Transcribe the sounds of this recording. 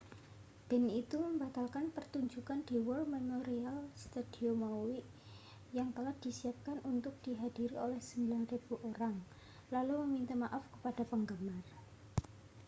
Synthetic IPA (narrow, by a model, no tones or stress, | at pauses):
b̥ɛ̤nit̪uməmbat̪alkanpərt̪uɲd͡ʒukand̥iwɔlmemoɾialst̪ad̪̥iomawiʔ | jaŋt̪əlahd̥isiap̚kanʔunt̪ʊk̚d̥iɦad̥iɾiʔolɛhsəmbilanrib̥uʔoɾaŋ | laluməmint̪amaʔafkə̥pad̥a̤pəŋɡəmar